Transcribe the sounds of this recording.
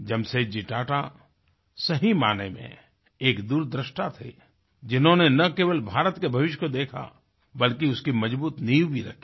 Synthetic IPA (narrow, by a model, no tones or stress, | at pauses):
d͡ʒɐbsed͡ʒɪʈaːʈa | sɐɦimaːnemḛ̃ | eːkd̪uːɾd̪ɾɪʃʈat̪ʰḛ | d͡ʒɪnɦõnenɐkeːʋəlbʱaːɾət̪kebʱɐʋɪʃ̬jkod̪eːkʰa̰ | bɐlkiʊskimɐd͡ʒbuːt̪niːwbʱiɾɐ̰kʰi̥